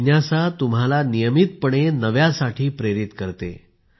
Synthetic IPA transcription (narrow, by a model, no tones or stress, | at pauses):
njasat̪umɦalanijəmit̪̚pəɳ̃enəʋjasaʈʰiːpɾeɾit̪kəɾt̪ḛ